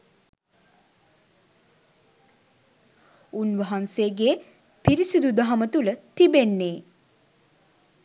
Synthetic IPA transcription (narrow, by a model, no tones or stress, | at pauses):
unʋɐɦanseːɡe | piɾisid̪ud̪aɦamət̪ulət̪ibenːeː